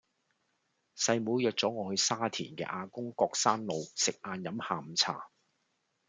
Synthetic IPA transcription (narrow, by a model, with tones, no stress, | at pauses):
sɐ˧jmuː˨˧˥jœː˧k̚t͡sɔː˨˥ŋɔː˨˧hɵ˧ɥsaː˥t̪ʰiː˨˩nkɛ̰ː˧ʔaː˧kʊ˥ŋkɔː˧k̚saː˥nlo˨˧wsɪ˨k̚aː˧njɐ˨˥mhaː˨˧m̩˨˧t͡sʰa̰ː˨˩